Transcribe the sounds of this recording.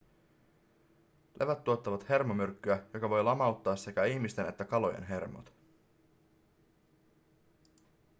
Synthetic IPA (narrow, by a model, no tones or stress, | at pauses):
lʔe̞ʋæt̪ːuo̞t̪ːɑʋɑt̪he̞rmo̞mørkːyæjo̞kɑʋo̞jlɑmɑwt̪ːɑːsse̞kæiçmist̪e̞ne̞̰t̪ːækɑlo̞jḛnɦe̞rmo̰t̪